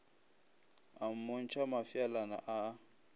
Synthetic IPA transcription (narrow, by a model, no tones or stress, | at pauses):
am̩mon̩t͡ʃʰamafialana̰ʔa